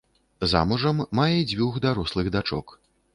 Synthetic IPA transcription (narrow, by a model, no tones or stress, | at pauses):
za̰muʐɐmːajɛid͡zʲvʲuɣd̪aɾɔslˠɨɣd̪at͡ʂɔ̰k